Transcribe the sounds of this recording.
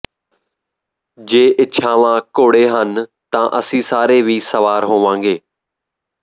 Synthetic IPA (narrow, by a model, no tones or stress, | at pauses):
d͡ʑeːʔɪt͡ʃʰãːʋãːkoːɽeɦən | t̪ãːʔɐsĩːsaːɾeʋiːsɐʋaːɾɦõːʋãːŋ̆ɡeː